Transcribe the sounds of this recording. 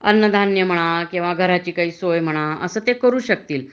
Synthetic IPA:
ə̰nːəd̪ʱanjəm̤əɽ̃akĩw̃ʋaɡʱəɾat͡ɕiːkaɦiːsojm̤əɽ̃aəsəːt̪ekəɾuːɕək̚t̪iːl

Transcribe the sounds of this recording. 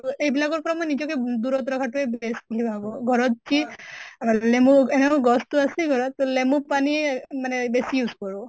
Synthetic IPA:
ejbilaɡɔɹpɔɹamojnizɔked̪uɹɔt̪ɹɔkʰatuebeskulibaɡɔɡʱɔɹɔt̪̚t͡ʃi | lemuenɛkɔɡɔstuasiɡʱɔɹɔt̪ːlemupanimanɛbesijuzkɔɹu

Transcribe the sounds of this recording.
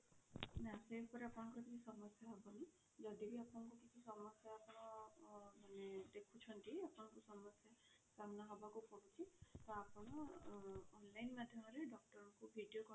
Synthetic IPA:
nasekɔɾeapnɔŋkuɾt̪ʰiisɔmɔsjaɦɔbɔni | d͡ʒɔdibiapnɔkukit͡ʃʰisɔmɔsjaːpɔnɔ | maned̪ekʰut͡ʃʰɔntiapnɔkusɔmɔsja | kamnaɦɔbakupɔɡut͡ʃʰit̪ɔapɔnɔː | nlajnmad̪ʱjɔmɔɾeɖɔk̚ʈɔɾkubʱiɖijokɔ

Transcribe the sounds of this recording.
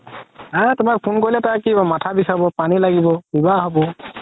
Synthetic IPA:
atʊmak̚pʰunkoɹilɛtakibɔmatʰabisaɹbɔpanilaɡibɔbibaɦɔbɔ

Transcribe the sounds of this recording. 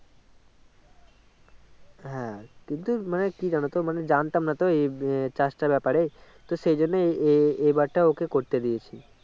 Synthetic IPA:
ɦɛ̃kint̪umanekid͡ʒañot̪omaned͡ʒant̪amnat̪oet͡ʃasʈabɛpaɾet̪oʃed͡ʒonːeeebaɾʈaokekoɾt̪ed̪iet͡ʃʰi

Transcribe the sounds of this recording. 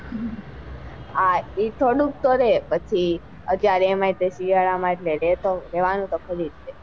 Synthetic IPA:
ait̪ʰoɽũk̚t̪oɾepət͡ʃʰi | əd͡ʒjaɾemait̪esiiaɭamaʈleɾet̪oɾeʋanũt̪okʰəɾid̪e

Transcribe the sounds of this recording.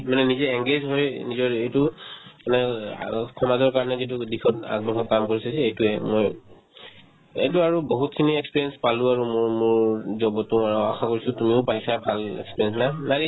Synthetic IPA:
manɛnizɛɛŋɡezɦojnizɔɹejtʊmanɛ̰ | kʰɔmazɔɹkaɹɔnɛzitudikʰɔta̰k̚bɔxʰɔkamkoɹisasɛejtʊɛmoj | ḛjtuaɹuboɦutkʰiniɛkspiɹjɛnspaluaɹumʊɹmʊɹzɔbɔtuaɹuaxakoɹisɔtumiʊpajsabʱalɛ̰kspiɹjɛnsnanaɹi

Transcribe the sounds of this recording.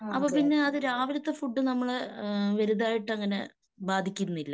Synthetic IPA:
ɐpːoːpinːe̞ɐðɨɾaːʋilɐt̪ːefuɖːɨnɐmːɐɭʋɐɾuðaːjiʈːɐŋːɐne̞̰ | baːd̪ʱikʲːunːilːɐ

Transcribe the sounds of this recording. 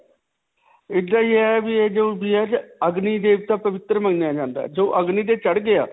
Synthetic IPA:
ɪd̪aːiːɛbiːeːd͡ʒũːbiːɛːt͡ʃəɡniːd̪eːʋt̪aːpəʋɪt̪ːɾməŋɡnjaːd͡ʒãːnd̪a̰ːd͡ʒoːʔəɡniːt̪eːt͡ʃəɽɡɪaː

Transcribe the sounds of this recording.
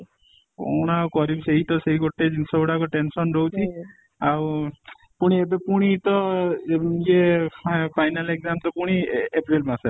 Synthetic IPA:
ko̰wɽ̃akɔɾibseɦit̪ɔseɦikot̪ed͡ʒinsɔuɽakɔʈensɔnɾowt͡ʃʰi | aw | puɽ̃iebepuɽ̃it̪ɔ | d͡ʒe | pʰajnaleɡzamt̪ɔpuɽ̃iepɾilmase

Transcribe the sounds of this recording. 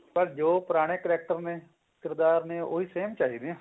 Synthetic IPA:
bəɾd͡ʒoːpɾaːɽ̃eːkəɾɛːk̚ʈəɾneː | kɪɾd̪aːɾneːʔo̰ːɦiːseːmt͡ʃaːɦiːd̪eãː

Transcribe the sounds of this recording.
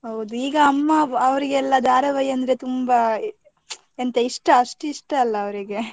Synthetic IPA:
ɦɐwd̪uiːɡɐːmːɐɐʋɐɾiɡeɛlːɐd̪ʱaːɾɐʋɐjɐnd̪ɐɾe̞t̪umbɐ | ent̪eiʂʈɐɐʂʈuiʂʈɐɐlːɐːʋɐɾiɡe̞

